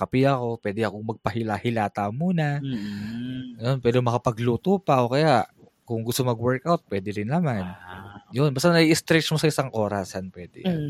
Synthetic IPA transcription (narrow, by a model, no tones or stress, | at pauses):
kɐpiɐko̞pwɛːd̪ɛʔɐkoŋmɐɡ̚pɐhɪlahɪlaːt̪amuːna | ɐjonpwɛːd̪ɪmɐkɐpɐɡluːt̪uːpɐwkɐjaʔ | kʊŋɡʊst̪omɐɡwɛɹkʔawt̪̚pwɛːd̪ɪɾɪnːɐmanjonbast̪anɐʔiʔɪst̪ɾɛt͡ʃmosɐɪsaŋʔo̞ːɾɐsanpwɛːd̪ɛ̰